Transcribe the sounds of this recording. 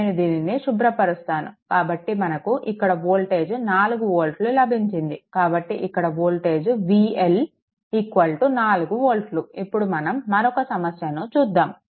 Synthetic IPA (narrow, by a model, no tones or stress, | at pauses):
nud̪iːniniʃubɾɐpɐɾust̪aːnṵkaːbɐʈːimɐnɐkuʔikːɐɽɐboːlʈeːd͡ʒnaːluɡuʋoːlʈlulɐbʱiɲt͡ʃind̪ikaːbɐʈːiʔikːɐɽɐboːlʈe̞ːd͡ʒʋiel | ikːʋɐlʈunaːluɡuʋoːlʈluipːuɽumɐnɐmːɐɾɔkɐsɐmɐsjɐnoːt͡ʃuːd̪ːaːm